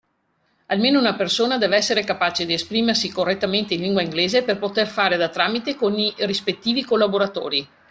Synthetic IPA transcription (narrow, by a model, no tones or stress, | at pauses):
almeːnounapersoːnad̪ɛːvɛsːeɾekapaːt͡ʃed̪iespɾiːmersikorːet̪ːament̪einliŋɡwaiŋɡleːzeperpot̪erfaːɾed̪at̪ɾaːmit̪ekonirispet̪ːiːvikolːaboɾat̪o̰ːɾi